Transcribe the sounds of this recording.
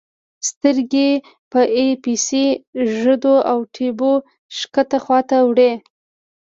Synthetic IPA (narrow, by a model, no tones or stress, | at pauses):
st̪əɾɡe | pəʔepisiʒəd̪oawʈʰebo | ʃkət̪axwɑt̪awɽe